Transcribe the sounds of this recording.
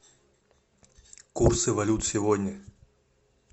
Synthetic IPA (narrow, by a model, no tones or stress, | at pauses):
kursɨvɐlʲut̪sʲɪvɔdʲnʲə